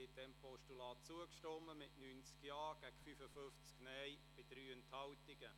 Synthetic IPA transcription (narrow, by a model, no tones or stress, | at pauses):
ɪd̥ɛmpɔʃtulɑːt̚t͡suəkʃtɔmːəmɪtnyːnt͡skjaɑːɡ̥æɡ̥fyfəfʏft͡sknɛjb̥ɪd̥ɾyːənthɑwtɪɡ̥ə